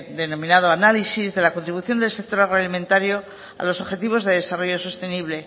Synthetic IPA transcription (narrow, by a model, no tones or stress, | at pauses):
d̪e̞no̞mĩnað̞oanalisizðe̞lako̞nt̪ɾiβuθjo̞nd̪elsek̚t̪o̞ɾaɣ̞ɾoalimẽ̞nt̪aɾjo̞ | a̰lo̞so̞βxe̞t̪iβ̞o̞zðe̞ðe̞saro̞ʝo̞so̞st̪e̞niβle̞